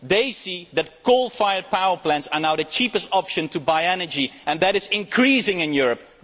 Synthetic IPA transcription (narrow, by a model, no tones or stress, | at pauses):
ðeɪsiðɨt̚kʰolˠfaɪə˞paʊə˞plæ̃nsə˞naʊðɨt͡ʃipəstɑpʃɨ̃ntʰubaɪɛnə˞d͡ʒiɨ̃nðɨɾɨzɪ̃nkʰɹisɪ̃ŋɪ̃njʊɹəp̚